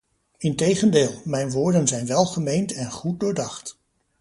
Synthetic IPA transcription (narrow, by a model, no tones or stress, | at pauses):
ɪntejχəndɪːlˠmɛjnʋʊːɹdənzɛjnʋɛlˠχəmejntɛnχut̚dʊːɹdɑχt